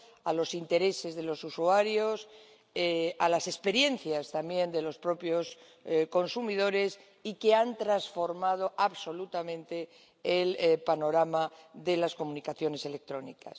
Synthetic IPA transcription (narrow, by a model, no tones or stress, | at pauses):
alo̞sint̪e̞ɾe̞se̞zðe̞lo̞susuaɾjo̞s | ealase̞spe̞ɾje̞nθjast̪ambje̞nd̪e̞lo̞spɾo̞pjo̞s | ko̞nsumið̞o̞ɾe̞s | ike̞ant̪ɾansfo̞ɾmað̞o̞ʔaβso̞lut̪amẽnt̪e̞ː | lpano̞ɾamaðe̞lasko̞munikaθjo̞ne̞se̞le̞k̚t̪ɾo̞nika̰s